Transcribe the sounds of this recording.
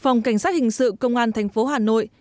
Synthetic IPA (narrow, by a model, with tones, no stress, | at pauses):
fa˨˩wŋ͡mka˧˩jŋ̟saː˦˥t̚hï˨˩ŋ̟sɨ̰˧˨kə˧wŋ͡mʔaː˧nt̪ʰɛ˨˩ŋ̟fo˨˦ɦaː˨˩no̰˧˨j